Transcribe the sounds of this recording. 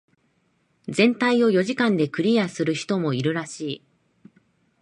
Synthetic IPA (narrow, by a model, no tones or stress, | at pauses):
d͡zẽ̞nt̪aio̞jo̞ʑikãnd̪e̞kɯ̟ɾʲijasɨɾɯ̟çi̥t̪o̞mo̞iɾɯ̟ɾaɕiː